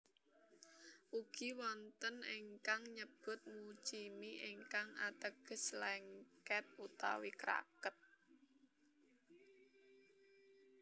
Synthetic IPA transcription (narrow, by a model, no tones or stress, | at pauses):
ʔuɡ̥i̤wɔnt̪əniŋkaŋɲəb̥ʊ̤t̪̚mut͡ʃimiʔiŋkaŋat̪əɡ̥ə̤slɛŋkɛp̪̚ut̪a̰wikɾa̰kət̪̚